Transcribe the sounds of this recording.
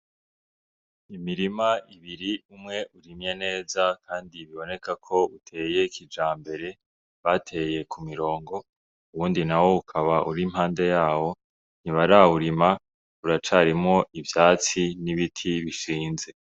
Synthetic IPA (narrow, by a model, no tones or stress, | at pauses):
imiɾimaiβiɾiumŋe̞ʔuɾimje̞ne̞ːzakʰaːndiβiβo̞ne̞kakʰo̞utʰe̞ːje̞kʰid͡ʒaːmbe̞ɾe̞ | βatʰe̞je̞kʰumiɾo̞ːŋɡo̞ | uβuːndinawo̞ukʰaβaʔuɾim̥ɦaːnde̞jaːwo̞ | n̥iβaɾauɾima | uɾat͡ʃaɾimŋo̞ʔivjaːt͡siniβitʰiβiʃiːnze̞